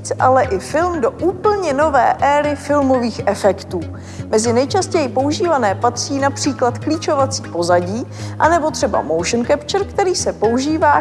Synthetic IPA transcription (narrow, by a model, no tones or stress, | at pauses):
t͡sʔalɛʔɪfɪlmdo̞ʔuːpl̩ɲɛno̞vɛ̰ːʔɛːɾɪfɪlmo̞viːxʔɛfɛkt̪uː | mɛzɪnɛjt͡ʃascɛjɪpouʒiːvanɛːpat̪r̝̥iːnapr̝̥iːklat̪kliːt͡ʃo̞vat͡siːpo̞zaɟiːʔanɛbo̞t̪r̝̥ɛba̰mowʃənkɛpt͡ʃɛɾkt̪ɛɾiːsɛpo̞uʒiːvaː